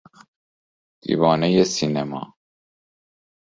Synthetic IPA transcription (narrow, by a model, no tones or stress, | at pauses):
d̪̥ḭːvɒːnejesinemɒ̰ː